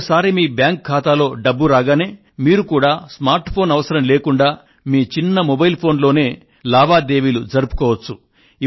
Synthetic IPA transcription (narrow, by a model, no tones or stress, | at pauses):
ɐsaːɾimiːbjaːŋkkʰːaːt̪aːlo̞ːɖɐbːuɾaːɡaːneː | miːɾukuːɽaːsmaːɾʈpʰoːnɐʋɐsɐɾɐmle̞ːkuɳɖaː | miːt͡ʃinːɐmɔbɐjilpʰo̞ːnlo̞ːne̞ː | laːʋaːd̪e̞ːʋilud͡ʒɐɾupu̥kɔːʋɐt͡ʃːu